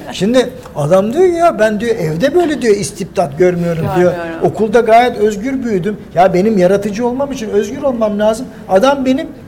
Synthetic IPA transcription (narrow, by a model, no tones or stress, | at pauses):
ʃimd̪ɪ | ad̪amd̪ujojobænd̪ijo̞ʔɛvd̪ɛbø̞jlʲɛd̪ijo̞ist̪ʰip̚d̪at̪̚ɟøɾmyjo̞ɾumd̪ijo̞okʰulˠd̪aɡaːjɛt̪ø̞zɟyɾbyjyd̪ymjabe̞nimjaɾat̪ʰɯd͡ʒɯo̞lˠmamit͡ʃʰinøzɟyɾo̞lˠmamlʲaːzɯm | ad̪ambe̞nim